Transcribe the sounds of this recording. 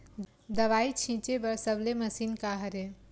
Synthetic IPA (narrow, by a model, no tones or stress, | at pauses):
d̪əʋaːit͡ʃʰĩt͡ʃebəɾsəbleməsiːnkaɦəɾẽ